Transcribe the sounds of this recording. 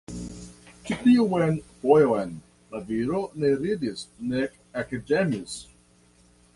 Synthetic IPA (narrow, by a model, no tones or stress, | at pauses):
t͡ʃit̪iuwenvojoen | laviɾoneɾid̪isnek | akademis